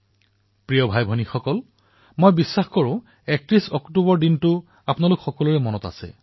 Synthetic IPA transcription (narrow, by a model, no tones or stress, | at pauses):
pɹijɔbʱajbʱɔnixɔkɔl | mojbisːaxkɔɹʊ̃ | ɛk̚tɹisɔktubɔɹdintʊ | apnalʊkxɔkɔluɹɛmɔnɔta̰sɛ̰